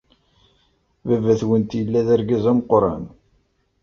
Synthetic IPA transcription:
vævæθwənt̪jəlːæðæɾɡæzæməqɾˤɑ̰n

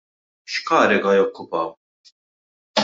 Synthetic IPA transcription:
ʃkɐːɾɪɡɐjɔkːʊpɐw

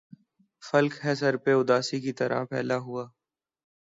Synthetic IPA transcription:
fəlkɦɛːsəɾpeʊd̪aːsiːkit̪əɾa̰ːpʰɛ̰ːlaːɦʊaː

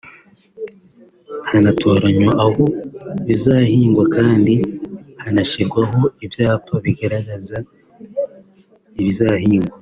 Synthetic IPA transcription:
hanatʰo̞ːɾaɲaʔahoβizaːhiːŋɡwakaːndihanaʃiɾɡwaɦo̞ibjaːtʰoβiɡaɾaɡaza | iβizahiːŋɡwa

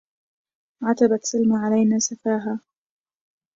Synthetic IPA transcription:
ʕat̪abat̪salmaʕalajnaːsafaːɦaː

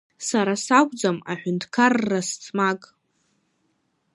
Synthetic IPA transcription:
saɾasakʷʼd͡zama̰ħᶣʏntʰkʰarːast͡sʼmakʼ

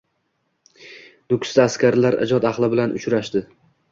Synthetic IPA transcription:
nʊkʲst̪aːskʲaɾlaɾʔɪ̰d͡ʒɒd̪ɑχlˠɪbɪlanʊ̰t͡ʃɾaʃd̪ɪ

